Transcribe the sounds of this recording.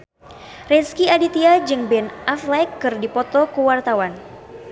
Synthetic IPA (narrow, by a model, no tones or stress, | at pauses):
rɛskiadit̪iad͡ʒɨŋbɛnʔaflɛkːɨrdipɔt̪ɔkəwart̪awan